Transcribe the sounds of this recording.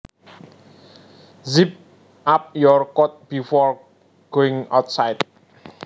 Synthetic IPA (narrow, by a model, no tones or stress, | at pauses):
zip̚ | ʔap̚jɔrkɔt̪̚b̥ifɔr | ɡ̥oɪŋa̰wt̪̚sajt̪̚